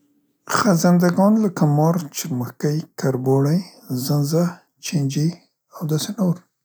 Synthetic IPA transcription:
xazand̪aɡɑnlakamɑɾt͡ʃɪɾməxkajkʰaɾboɽajzanza | t͡ʃiɲd͡ʒi | awd̪ɑsenoɾ

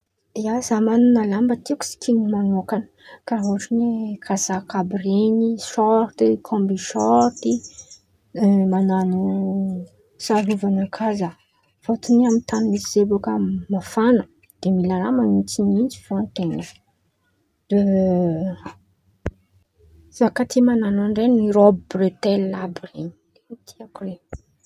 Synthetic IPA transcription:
iazamanunalambət̪iku̥si̥kʰinimanokanə̥kaoʈ͡ʂinekʰazakabɾeniʃɔɾt̪ikʰɔ̃mbiʃɔɾt̪i | mananu | saluvanəkʰaza | fot̪uniamint̪animisiz̥ebokəmafanə | d̪̥emilaɾamanit͡sinind͡zi̥v̥oant̪ena | z̥akat̪ʰimananaɳɖ͡ʐenniɾɔbibret̪ɛlːabren | t̪ʰiakure

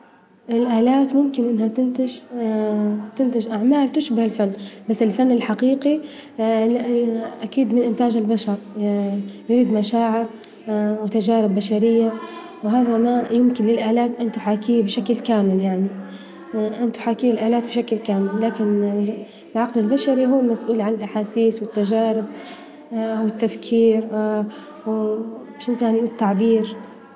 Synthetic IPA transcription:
ʔɪlʔaːlaːt̪mʊmkɪnʔɪnːhat̪ɪnt̪ɪʒ | t̪ɪnt̪ɪʒʔaʕmaːlt̪ɪʃbahɪlfanːbasːɪlfanːɪlħaqiːqi | ʔakiːd̪mɪnʔɪnt̪aːd͡ʒɪlbaʃɑɾˤ | jɾiːd̪maʃaːʕɪɾ | wɪt̪ad͡ʒaːɾɪbːaʃaɾɪjːa | wɦaːðamajʊmkɪnlɪlʔaːlaːt̪ʔɪnt̪ʊħaːkiːbɪʃaklkaːmɪljaʕni | ʔɪnt̪ʊ̥ħaːkiːɪlʔaːlaːt̪̚bɪʃaklkaːmɪlːaːkɪn | lʕɑqlɪlbaʃaɾiɦuːlmasʔuːlʕanɪlʔaħaːsiːswɪt̪ːaʒaːɾɪb̚ | wɪt̪ːafkʰiːɾ | w | ʃʔɪnt̪jaʕniɪt̪ːaʕbiːɾ

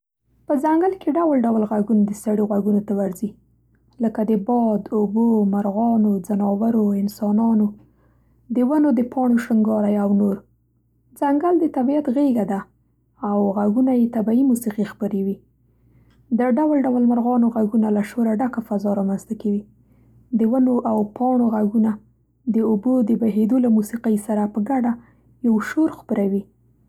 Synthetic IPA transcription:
pəzaŋɡalkeɖawlɖawlɣaɡunad̪əsaɽiɣaɡunot̪awaɾzi | ləkad̪əbɑd̪obomaɾɣɑnozanɑwaɾoɪnsɑnɑno | d̪əwanod̪əpʰɑɳ̃oʃaŋɡɑɾajawnoɾ | zaŋɡald̪ət̪abijat̪ɣeɡad̪a | awɣaɡunajet̪abaimusiqixpəɾewi | d̪əɖawalɖawlmaɾɣɑnoɣaɡunalaʃoɾaɖakafazɑɾɑmanz̥t̪akawi | d̪əwanoʔawpʰɑɳ̃oɣaɡuna | d̪əʊbod̪əbaɦed̪olamusiqajsaɾapəɡaɖa | jawʃoɾxpəɾawi

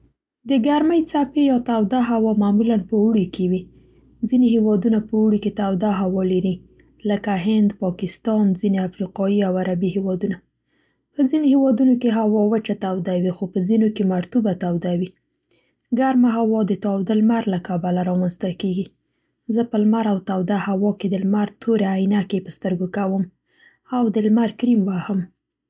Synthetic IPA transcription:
d̪əɡaɾməjt͡sapejɑt̪awd̪aɦawɑmamulanpəuɽikewi | zinehewɑd̪unapəuɽiket̪awd̪aɦawɑlaɾi | ləkaɦɪnd̪pɑkɪst̪ɑnzineafɾiqɑjiawaɾabihewɑd̪una | pəzinohewɑd̪unokeɦawɑwət͡ʃat̪awd̪awixopəzinokemaɾt̪ubat̪awd̪awi | ɡaɾmaɦawɑd̪ət̪ɑwd̪əlmaɾlakabalaɾɑmanst̪akeɡi | zəpəlmaɾawt̪awd̪ahawɑked̪əlmaɾt̪ʰoɾaajnakepəst̪əɾɡokawəm | awd̪əlmaɾkɾimwahəm

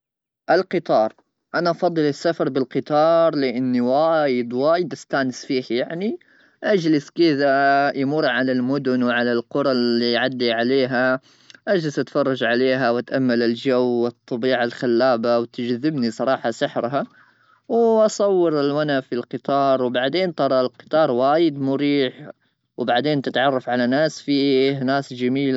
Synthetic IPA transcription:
ʔalqɨt̪ˤɑːɾˤ | ʔanaʔɑfɑd̪ˤːɨlɪsːafɑɾˤbɪlqɨt̪ˤɑːɾˤlɪʔɪnːiwaːjɪd̪waːjɪd̪ʔast̪aːnɪsfiːhjaʕni | ʔad͡ʒlɪskɪðajmʊɾˤʕalalmʊd̪ʊnwʕalalqʊɾˤɑlːiʕad̪ːiʕaleːɦa | ʔad͡ʒlɪsʔat̪fɑrˤːɑd͡ʒʕaleːɦawɪt̪ʔamːalɪld͡ʒawːɨt̪ˤːɑbiːʕalxalːaːbawt̪ɪd͡ʒðːɪbnisˤɑɾˤɑːħɑsɪħɾɦa | wʔɑsˤɑwːɪɾɪlwanafilqɨt̪ˤɑːɾˤwbaʕd̪eːnt̪ɑɾˤɑlqɨ̥t̪ˤɑːɾˤwaːjɪd̪mʊɾiːħ | wbaʕd̪eːnt̪ɪt̪ʕɑrˤːɑfʕalanaːsfinaːsd͡ʒamiːl

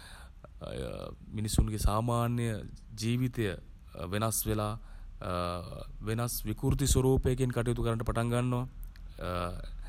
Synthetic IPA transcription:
minisunɡesaːmaːnjjəd͡ʒiːʋit̪ejə | ʋenasʋelaː | ʋenasʋikuɾt̪̬isoɾuːpejk̬enkaʈijut̪̬ukəɾanɳʈəpaʈaŋɡanːoʋa

